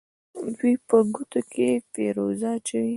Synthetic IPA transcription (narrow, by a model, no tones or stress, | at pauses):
d̪wipəɡut̪okʰepeɾozɑt͡ʃawi